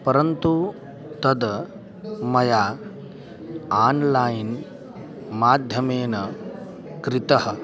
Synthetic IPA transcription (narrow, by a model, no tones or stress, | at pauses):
pɐɾɐnt̪u | t̪ɐd̪ | mɐjaː | aːnlaːjn | maːd̪ʱjɐmeːnɐ | kɾɪt̪ɐɦɐ̆